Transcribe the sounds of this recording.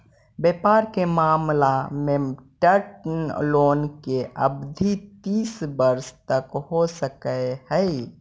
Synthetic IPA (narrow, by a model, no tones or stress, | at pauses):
bepaɾkemamlameʈəɾʈnlonkeʔə̰bd̪ʱit̪isbəɾst̪əkɦosəkəehəɪ